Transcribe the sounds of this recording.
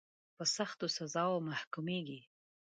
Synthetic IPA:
pəsaxt̪osazɑwomahkumeɡi

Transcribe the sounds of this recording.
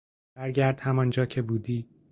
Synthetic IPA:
bæɾɟæɾd̪̥hæmɒnd͡ʒɒːcʰebuːd̪iː

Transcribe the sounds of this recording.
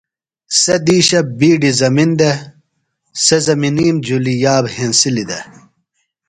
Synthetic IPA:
sed̪iːɕɐbiːɖizɐmind̪e | sezɐminiːmd͡ʑulijaːbɦensilid̪ɐ

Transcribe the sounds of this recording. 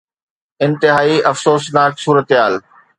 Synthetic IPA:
ɪ̃nt̪ɪɦaːiʔɐfsoːsnaːksuːɾət̪ɪɦaːl

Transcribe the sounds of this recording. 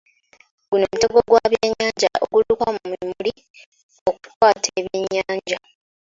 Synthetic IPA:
ɡuno̞ːmuteɡoɡwaβjeɲːaːɲɟaʔoɡulukamumimuli | oku̥twaːtʰeːβjeɲːaːɲɟa

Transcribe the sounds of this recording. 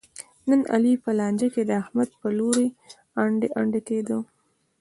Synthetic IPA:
nəna̰lipəlɑnd͡ʒaked̪əahmad̪̚pəloɾe | aɳɖaɳɖaked̪o

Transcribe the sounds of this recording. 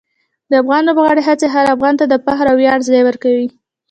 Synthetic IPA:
d̪əafɣɑnlobɣɑɽeɦat͡seɦaɾafɣɑnt̪ad̪əpaxɾawjɑɽzlejwəɾkawi

